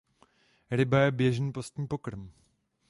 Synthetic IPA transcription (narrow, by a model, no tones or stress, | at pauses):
ɾɪbajɛbjɛʒniːpost̪ɲiːpo̞kɾm